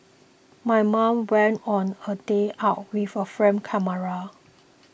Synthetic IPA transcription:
majmãmwɛ̃ntɔ̃nədeʔaʊt̚wifəfɹɛ̃mkʰɛməɹa

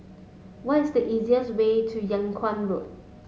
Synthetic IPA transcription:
wɔtɪsdəʔiziəswetʰujãŋkʰwãnɹot̚

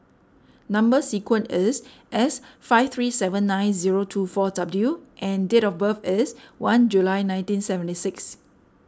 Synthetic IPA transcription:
nãmbəsikwə̃ntɛs | ʔɛsfaɪft̪ʰɹisɛvə̃nːãj̃nziɹotʰufɔdabdluʔɛ̃ndetɔfbəfɛswãnd͡ʒulajnãj̃ntĩnsɛvə̃ntisɪks

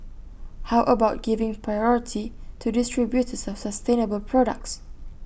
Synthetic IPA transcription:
haʊʔəbaʊt̚ɡ̥ivɪ̃ŋpʰɹajɔɹitʰitʰudɪstɹibjutəsɔfsəstẽnəbəlpʰɹɔɾə̰k̚ts

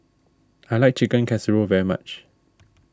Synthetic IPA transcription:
ajlaɪk̚t͡ʃʰɪkə̃nkʰɛsəɹovɛɹima̰t͡ʃ

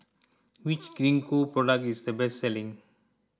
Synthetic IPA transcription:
wit͡ʃɡ̥ɾĩnkupɹɔɖak̚tisd̪əbɛstsɛlĩŋ

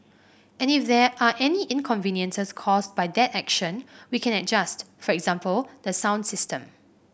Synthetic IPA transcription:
ʔɛ̃nifdɛʔaʔɛniʔĩnkʰɔ̃ɱvĩnjə̃nsəskʰɔsbajd̪ɛtɛkʃə̃nwikʰɛ̃nɛd͡ʒast | fɔɹɛɡz̥ãmpəld̥̪əsãw̃ndsɪstə̃m

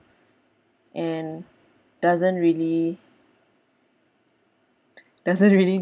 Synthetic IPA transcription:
ʔɛ̃n | d̥azə̃ntɹili | d̥azə̃nɹili

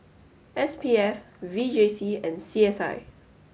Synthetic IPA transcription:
ɛspiɛf | vid͡ʒesiɛ̃nsiɛsa̰ɪ

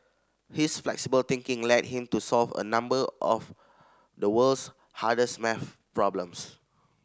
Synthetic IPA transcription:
hisflɛ̰ksibəlt̪ɪ̃ŋkɪ̃ŋlɛt̚hĩmtusɔlvə̰nãmbəʔɔf | dəwəls | hadəsmɛf | pɹɔblə̃ms

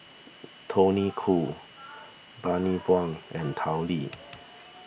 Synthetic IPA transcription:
t̪ʰonikʰu | banibwaŋɛnt̪ʰawli

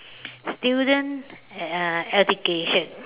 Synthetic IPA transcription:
stjudə̃nt | ɛd͡ʒukeʃə̃n

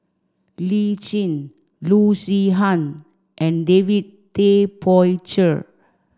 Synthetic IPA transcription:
lit͡ʃĩn | lusiɦãn | ʔɛ̃ndevid̚ | tepʰɔjt͡ʃə

